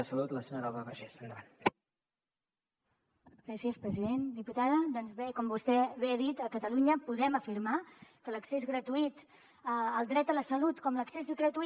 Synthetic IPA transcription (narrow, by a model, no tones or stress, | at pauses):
əsəlut̪ləsənəɾalˠβaβəʒesənd̪əβan | ɡɾasiəspɾəziðend̪iput̪aðəd̪ɔnzβekɔmbust̪ɛβeðit̪əkət̪əluɲəpuðɛməfiɾmakələksezɣɾət̪uit̪ | əəlˠd̪ɾɛt̪ələsəlut̪kɔmləksezɣɾət̪u